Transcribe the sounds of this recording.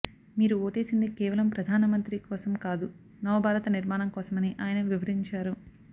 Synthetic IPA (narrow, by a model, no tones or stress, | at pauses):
miːɾuoːʈe̞ːsind̪ikɛːʋɐlɐmpɾɐd̪ʱaːnɐmɐnt̪ɾikɔːsɐmkaːd̪u | nɐʋɐbʱaːɾɐt̪ɐniɾmaːnɐmkɔːsɐmɐniʔaːjɐnɐʋiʋɐɾiɲt͡ʃaːɾu